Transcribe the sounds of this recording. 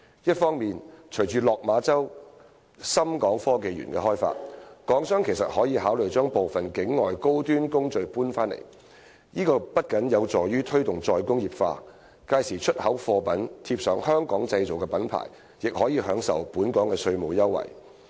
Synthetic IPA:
jɐ˥t̚fɔː˥ŋmiː˨nt͡ʃʰɵ˨˩jt͡ʃyː˨lɔː˨k̚maː˨˧t͡sɐ˥w | sɐ˥mkɔː˨˥ŋfɔː˥ke˨˧jɥy̰˨˩nkɛ̰ː˧ɦɔː˥jfa̰ː˧t̚kɔː˨˥ŋsœː˥ŋkʰe˨˩sɐ˨t̚hɔː˨˥jiː˨˧haː˨˥wlɵ˨˩ɥt͡ʃœː˥ŋpo˨wfɐ˨˩nkɪ˨˥ŋːɔː˨jko˥wt̪yː˥nkʊ˥ŋt͡ʃɵ˨˧ɥpuː˥nfaː˥nlḛ˨˩j | jiː˥kɔː˧pɐ˥t̚kɐ˨˥njɐ˨˧wt͡sɔː˨˩jɥyː˥t̪ʰɵ˥ɥt̪ʊ˨ŋt͡sɔː˨jkʊ˥ŋjiː˨p̚fa̰ː˧ | kaː˧jsiː˨˩t͡ʃʰɵ˥t̚hɐ˨˥wfɔː˧pɐ˨˥nt̪ʰiː˧p̚sœː˨˥ŋhœː˥ŋkɔː˨˥ŋt͡sɐ˧jt͡so˨wkɛː˧pɐ˨˥npʰa̰ː˨˩j | jɪ˨k̚hɔː˨˥jiː˨˧ɦœː˨˥ŋsɐ̰˨˩wpuː˨˥nkɔː˨˥ŋkɛː˧sɵ˧ɥmo˨wjɐ˥wːɐ̰˨˩j

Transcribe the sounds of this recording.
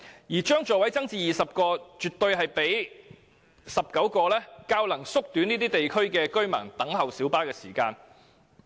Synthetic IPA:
jiː˨˩t͡ʃœː˥ŋt͡ʃɔː˨wɐ˨˥jt͡sɐ˥ŋt͡siː˧jiː˨˩sɐ˨p̚kɔː˧t͡ʃyː˨t̪ːɵ˧ɥɦɐ˨jpe˨˥j | sɐ˨p̚kɐ˨˥wkɔː˧lɛː˥kaː˧˥wlɐ˨˩ŋsʊ˥k̚t̪yː˨˥niː˥t̪iː˥t̪e˨jkʰɵ˥ɥkɛː˧kɵ˥ɥmɐ̰ː˨˩ŋt̪ɐ˨˥ŋhɐ˨wsiː˨˥wpaː˥kɛː˧sḭː˨˩kaː˧n

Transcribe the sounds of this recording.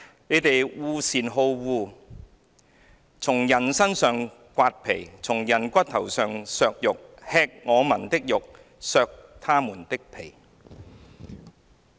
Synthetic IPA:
ne˨˧jt̪e˨jwuː˧siː˨˩nɦo˧wwuː˧ | t͡sʰʊ˨˩ŋjɐ˨˩nsɐ˥nsœː˨ŋ | kʷaː˧t̚pʰe˨˩jt͡sʰʊ˨˩ŋjɐ˨˩nkʷɐ˥t̚t̪ʰɐ˨˩wsœː˨ŋsœː˧k̚jʊ˨k̚hɛː˧k̚ŋɔː˨˧mɐ˨˩nt̪ɪ˥k̚jʊ˨k̚ | sœː˨˧k̚t̪ʰaː˥muː˨˩nt̪ɪ˥k̚pʰe˨˩j

